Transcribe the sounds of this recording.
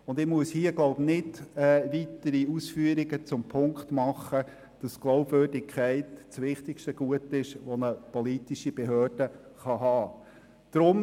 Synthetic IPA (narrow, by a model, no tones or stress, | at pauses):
ʊndɪmuəshiːəɡloʊbnɪdɛːʋitəɾiusfyːəɾiɡət͡sʊmpʰʊŋkχtmɑχːə | d̥ɑsɡ̥loʊbvøːrdɪkʰχæɪtt͡sʋɪχtɪkʃtəɡ̥uətɪʃʋɔnəpɔlitiʃib̥ɛɦøːrd̥ə | χɑɦɑː | d̥ɾʊm